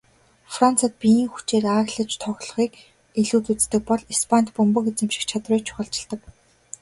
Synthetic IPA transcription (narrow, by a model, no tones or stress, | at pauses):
fran̥t͡sʰăt̪̚pijiːŋxu̥t͡ɕeːraːɣɮə̆t͡ɕt̪ʰɔɣɮɞ̆χiːk | iɮuːt̪ut͡st̪ɘ̆k̚pɔɮispʰant̪pɵmpɵ̆ket͡sĕmʃɪ̥̆kt͡ɕʰat̪rʊːjt͡ɕʰʊ̥χə̆ɬt͡ɕɪ̆ɮt̪ə̆k